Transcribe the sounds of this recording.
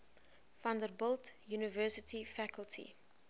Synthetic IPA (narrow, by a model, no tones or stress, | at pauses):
fãndəɾbɔltjuːnəvɜːsɪtʰifækəltʰḭ